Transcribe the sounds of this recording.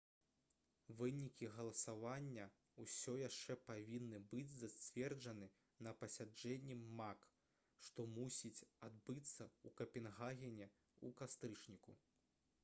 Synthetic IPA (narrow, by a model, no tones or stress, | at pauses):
vɨnʲikʲiɣɐlˠɐsavanʲːɐ | usʲɔjaʂt͡ʂɛpavʲinːɨbɨd͡zʲzat͡sʲvʲɛrd͡ʐɐnɨ | nɐpɐsʲad͡ʐɛnʲːiːak | ʂt̪ɔmusʲit͡sʲad̪bɨt̪sːɐukɐpʲɛnɣaɣʲɛnʲɛ | ukast̪ɾɨt͡ʂnʲiku